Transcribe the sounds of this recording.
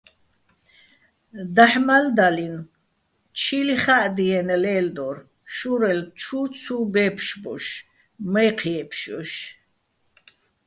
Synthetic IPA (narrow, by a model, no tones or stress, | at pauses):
d̪aħmald̪alin | t͡ʃʰiliχaʔd̪iɛnɛlɛːld̪ɔɾ | ʃuɾɛlt͡ʃʰut͡sʰubɛpʰʃbɔ̰ʃ | mɛjqʰiɛpʰʃɔ̰ʃ